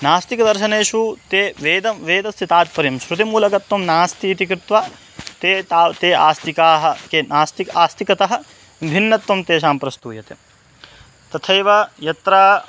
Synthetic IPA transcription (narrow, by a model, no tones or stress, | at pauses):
naːst̪ikɐd̪ɐɾʃɐneːʃut̪eːʋeːd̪ɐʋeːd̪ɐst̪ʰit̪aːt̪̚pɐɾjɐmʃɾut̪imuːlɐkɐt̪ʋɐmnaːst̪iːt̪ikɾɪt̪ʋaː | t̪eːt̪aːt̪eːaːst̪ikaːɦɐ̆kenaːst̪ikaːst̪ikɐt̪ɐɦɐ̆ | bʱinːɐt̪ʋɐmt̪eːʃ̬aːmpɾɐst̪uːjɐt̪ḛ | t̪ɐt̪ʰɐjʋɐjɐt̪ɾaː